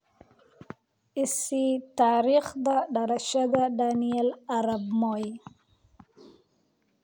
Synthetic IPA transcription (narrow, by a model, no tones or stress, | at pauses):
isit̪aːɾiχd̪aɖaɾaʃaɡ̪aɖanielaɾabmoj